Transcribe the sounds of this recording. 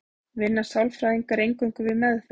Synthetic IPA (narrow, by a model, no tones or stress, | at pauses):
vɪnːasawlfɾaːðiŋkaɾejŋkʏŋkʏvɪðmɛðf